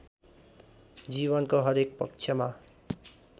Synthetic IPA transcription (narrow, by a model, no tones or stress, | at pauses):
d͡ziβʌnkoɦʌɾek̚pʌk̚t͡ʃʰjʌma